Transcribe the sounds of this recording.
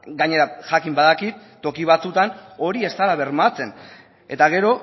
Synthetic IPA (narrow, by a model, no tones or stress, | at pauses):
ɡaɲe̞ɾaxakimbaðakit̪ːo̞kiβ̞at͡sut̪ano̞ɾie̞st̪alaβeɾmat͡sen | e̞̰t̪aɣe̞ɾo̞